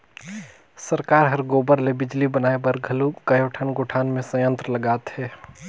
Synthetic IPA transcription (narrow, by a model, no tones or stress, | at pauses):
səɾkaːɾɦɐɾɡoːbəɾlebɪd͡ʒlibənaːebəɾɡʱɐlukɐjoʈʰənɡoʈʰaːnmẽsə̃jə̃nt̪ɾələɡaːt̪hɛː